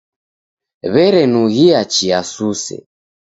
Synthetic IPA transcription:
βɛɾɛnuɣiat͡ʃiasusɛ̰

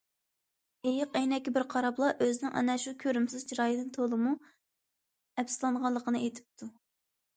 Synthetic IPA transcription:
ejɪqɛjnɛkʲːibɪɾqʰɑɾɑplˠɑʔøzɪnɪŋʔɑ̰nɛʃukʲʰøɾymsɪzd͡ʒʰiɾɑːjd̪ɨnt̪ʰolˠɨmu | ɛpsɨlˠɑɴʁɑlˠːəqʰənɨejt̪ʰɪ̥p̚t̪ʰu

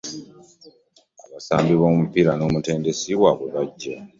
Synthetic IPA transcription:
aβasaːmbiβo̞ːmupiɾano̞ːmute̞ːnde̞siwaβweβaɟːa

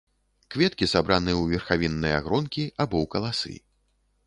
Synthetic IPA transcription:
kvʲɛt̪kʲisabɾanɨjwvʲɛrxavʲinːɐja̰ɣɾɔnkʲiabɔwkɐlˠasɨ̰

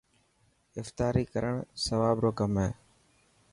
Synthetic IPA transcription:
ɪft̪aːɾiːkəɾəɳ̃səʋaːbɾoːkəmɦeː

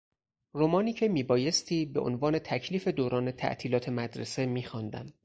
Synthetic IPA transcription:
romɒːniːcʰe̞miːbɒːje̞st̪ʰiːbe̞ʔo̰nvɒːne̞t̪ʰæcʰliːfe̞d̪oːɾɒːne̞t̪ʰæ̰ʔt̪ʰiːlɒːt̪ʰe̞mæd̪ɾe̞se̞miːxɒːnd̪æ̰m

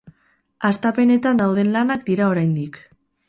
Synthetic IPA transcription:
ast̪ape̞ne̞t̪and̪awð̞e̞nlanakd̪iɾao̞ɾajnd̪ik

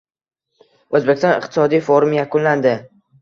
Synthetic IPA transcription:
ozbekʲɪst̪ɒ̃nɪ̰qt̪ʰɪ̥sɒd̪ijfoɾmjakʰʊnland̪ɪ

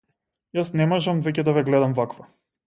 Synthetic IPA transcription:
jasnɛmɔʒamvɛcɛd̪avɛɡlɛd̪amvakva

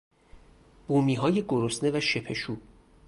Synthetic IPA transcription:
b̥uːmiːɦɒːje̞ɡoɾosne̞væʃe̞pʰe̞ʃuː

